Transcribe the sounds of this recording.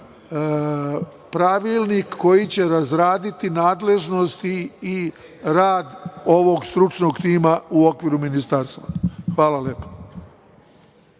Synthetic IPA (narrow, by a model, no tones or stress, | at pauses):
pɾaʋilˠnikːo̞jit͡ɕe̞ɾazɾaːd̪it̪inaːd̪le̞ʒno̞st̪iː | ɾaːd̪o̞ʋo̞ɡst̪ɾut͡ʃno̞ɡt̪iːmauo̞kʋiːɾuminist̪aɾst̪ʋaxʋaːlaljeːpo̥